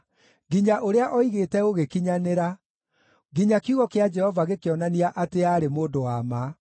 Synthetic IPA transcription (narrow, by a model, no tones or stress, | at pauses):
ɡiɲaʔoɾeaʔɔiɣeːtɛoɣekiɲaneɾa | ɡiɲakuɣɔkead͡ʒɛhɔvaɣekeɔnaniaʔateaɾemoːndowama